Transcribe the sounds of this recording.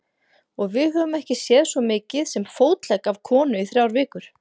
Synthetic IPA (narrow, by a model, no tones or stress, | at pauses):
ɔɣvɪðɦœːvʏmɛhcɪsjɛːðsvɔmɪːcɪðsɛmfoːwt̪lɛkav̥kʰɔːnʏiθɾjawɾvɪːkʏɾ̥